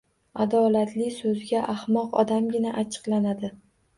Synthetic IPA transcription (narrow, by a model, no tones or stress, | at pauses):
ad̪ɒlat̪ʰlɪsɵzɡʲaʔahmɒqɒ̰d̪amɡʲɪnaʔat͡ʃʰɨ̥qlanad̪ɪ